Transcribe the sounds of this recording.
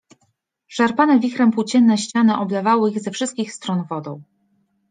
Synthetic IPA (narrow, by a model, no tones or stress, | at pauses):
ʂaɾpanɛvʲixɾɛmpuwt͡ɕɛnːɛɕt͡ɕanɘʔɔblɛvawɘiɣzɛfʂɘst̪kʲixst̪ɾɔnvɔd̪ɔ̰̃w̃